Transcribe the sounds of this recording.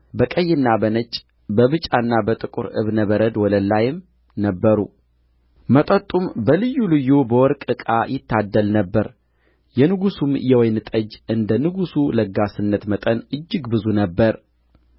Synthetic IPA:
bəkʼəjːɪnːabənət͡ʃʼ | bəβɨt͡ʃʼanːabət̪ʼɨkʼṵɾɨ̰βnəβəɾəd̪wɔləlːajɪm | nəbːəɾṵ | mət̪ʼət̪ʼːumbəlɨjːulɨjːubəwɔɾkʼɨkʼajɪt̪ːad̪ːəlnəbːəɾ | jɛnɨɡusumjɛwɔjnɨt̪ʼəd͡ʒʔɨnd̪ənɨɡusuləɡasɨnːət̪mət̪ʼənʔɨd͡ʒːɪɡbɨzunəbːəɾ

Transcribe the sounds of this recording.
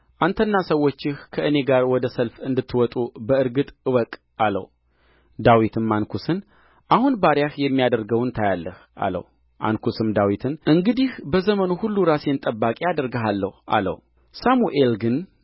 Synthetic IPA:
ʔant̪ʰənːasəwːo̞t͡ʃːɪhkʰəʔɨne̞ɡaɾwɔd̪əsəlfɨnd̪ɨt̪ʰːɨwɔt̪ʼubəɨɾɡɨt̪ʼɨwəkʼ | alə̰w | d̪awit̪ʰɨmːankʰusɨn | ʔahunbaɾjahjɛmːijad̪əɾɡəwnt̪ʰajalːəhʔa̰lə̰w | ʔa̰nkʰusɨmd̪awit̪ʰɨnʔɨŋɡɨd̪ihbəzəmənuhulːuɾasjɛnt̪ʼəbːakʼijad̪əɾɡəɦalːəhuʔa̰lə̰w | samuʔelɡɨn

